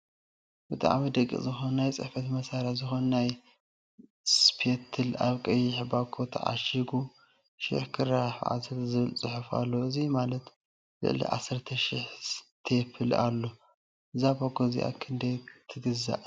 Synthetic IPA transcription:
bɨt̪ʼa̰ʕmid̪ɐkʼːḭzɨxonnajt͡sʼɨ̰ħfɐt̪mɐsaɾazɨxonnaj | spʰet̪ʰɨlaβkʼɐjːɪħbaɡʰo̞t̪ʰɐ̰ʕa̰ʃiɡu | ʃɪ̰ħkʰɨɾaħʔa̰zɐt̪zɨβɨlt͡sʼɨħufa̰lːoɨzimalɐt̪ | lɨ̰ʔlḭʕa̰sɨɾt̪ʰɐʃiħt̪ʰepʰɨla̰lːo | ʔɨzabaɡʰozḭʔa̰kʰɨnd̪ɐjt̪ʰɨɡɨza̰ʔ

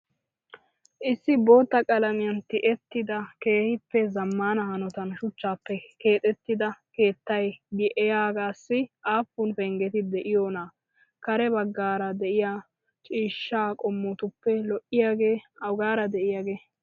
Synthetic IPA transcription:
ʔɪsːɪbo̞ːt̪ːɐkʼɐlɐmɪjɐnt̪ɪʔɛt̪ːɪd̪ɐke̞ːhɪpːɛzɐmːaːnɐhɐnɔt̪ɐnʃʊt͡ʃːaːpːɛke̞ːt̪ʼɛt̪ːɪd̪ɐke̞ːt̪ːɐjbɪʔɛjaːɡaːsːɪʔaːfːʊnfɛŋɡɛt̪ɪd̪ɛʔɪjoːna | kɐɾɛbɐɡːaːɾɐd̪ɛʔɪjaː | t͡ʃʼiːʃːaːkʼɔmːɔt̪ʊpːɛlɔʔɪjaːɡe̞ːɐwɡaːɾɐd̪ɛʔɪjaːɡe̞ː

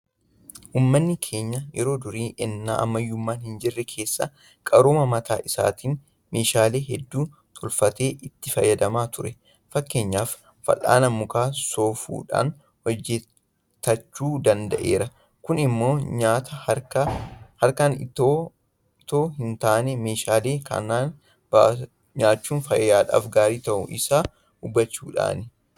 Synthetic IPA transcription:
ʔuːmːɐnːɪkʰe̞ːɲːɐjɛ̰ɾo̞ːd̪ʊɾiːɛnːa̰ːʔɐ̰mːɐjːʊmːaːnhɪnd͡ʒɪrːɛkʰe̞ːsːɐ̰ | kʼɐɾoːmɐmɐt̪ʰa̰ːʔɪsa̰ːt̪iːn | me̞ːʃaːle̞ːɦɛd̪ːuː | t̪ʰɔlfɐt̪e̞ːʔɪt̪ːɪfɐ̰jːɐd̪ɐmaːt̪ʰʊɾɛ | fɐkːe̞ːɲːaːfː | ɐ̰la̰ːnɐmːʊkaːso̞ːfṵːᶑa̰ːn | wɔd͡ʒːɛ | t̪ːɐt͡ʃːuːd̪ɐnd̪ɐʔe̞ːɾɐ | kʊnɪmːo̞ːɲaːt̪ɐkɐhɐɾkɐnɪt̪oː | t̪oːhɪnt̪aːnɛme̞ːʃaːle̞ːkɐ̰nːaːn | ba | ɲaːt͡ʃːuːnfɐjjaːᶑa̰ːfɡaːɾiːt̪ɐʔʊ̰ʔɪsaː | ʊbːɐt͡ʃːuːᶑa̰ːnɪ

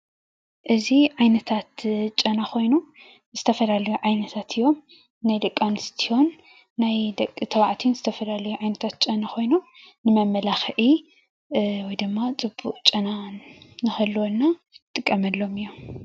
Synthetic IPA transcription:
ʔɨziʕajnɐt̪ʰat̪t͡ʃʼɐnaxʰo̞jnu | zɨt̪ʰɐfɐlalɐjuʕajnɐt̪ʰat̪ʰɨjːo̞m | najd̪ɐkʼːanɨst̪ʰiho̞nː | ajd̪ɐkʼːit̪ʰɐwaʕt̪ʰinzɨt̪ʰɐfɐlalɐjuʕajnɐt̪ʰat̪̚t͡ʃʼɐnaxo̞jnu | nɨmɐmːɐlaxʔi | wɔjd̪ɨmːat͡sʼɨbːuʔʼt͡ʃʼɐnanɨxɐlːɨwonːa | t̪ʼɨkʼːɐmɐlːo̞mɨjːo

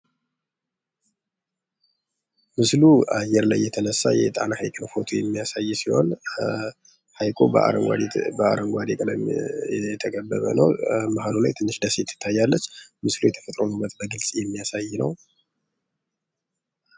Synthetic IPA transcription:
mɨsluʔajɛɾla̰jːɛt̪ʰənəsːajɛ̰t̪ʼa̰nahajkʼɨnfo̞t̪ʰujɛmːijasajːsiho̞̰n | hajkʼoa̰ɾəa̰bəa̰ɾəŋɡʷad̪ɛkʼəd̪əmjɛt̪ʰəkʰʼəbːə̰βə̰nə̰wmaɦalulajt̪ʰɨnːɨʃd̪əset̪ʰːɪ̥t̪ʰːajːalːət͡ʃːmɨslujɛt̪ʰə̥fət̪ʼɾonubːət̪bəɡɨlsʼjɛmːijasajːnəw

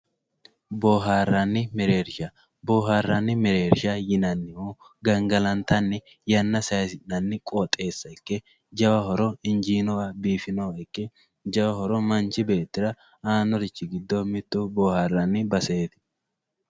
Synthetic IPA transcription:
boːɦaːrːanːɪmɛɾe̞ːɾɪʃɐ | boːɦaːrːanːɪmɛɾe̞ːɾɪʃajɪnɐnːɪho | ɡɐŋɡɐlɐnt̪ɐnːɪ | jɐnːɐsɐjɐsɪnːɐnːɪkʼoːt̪ʼːe̞ːsːɐɪkːɛ | d͡ʒɐwɐhɔɾɔɪnd͡ʒiːnɔwabiːfɪnoɪkːɛ | d͡ʒɐwɐhɔɾɔmɐnt͡ʃɪbe̞ːt̪ːɪɾɐ | aːnɔɾɪt͡ʃːɪɡɪd̪ːoːmɪt̪ːuːboːhaːrːɐnːɪbɐseːt̪ɪ̥

